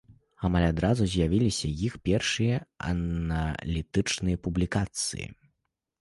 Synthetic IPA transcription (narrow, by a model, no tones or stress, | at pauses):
amalʲad̪ɾazuzʲjavʲilʲisʲɐjixpʲɛrʂɨjɐɐ̰nɐlʲit̪ɨt͡ʂnɨjɐpublʲikat̪sɨ̰jḭ